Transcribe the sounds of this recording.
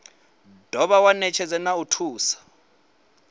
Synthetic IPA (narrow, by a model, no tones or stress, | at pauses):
d̥ʱɔɓawanɛt͡ʃʰɛd͡zɛnautʰuːsḁ